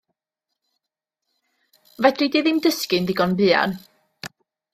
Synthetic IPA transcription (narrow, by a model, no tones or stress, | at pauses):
vɛdridiðɪmdəskɨndɪɡɔnbɨːa̰n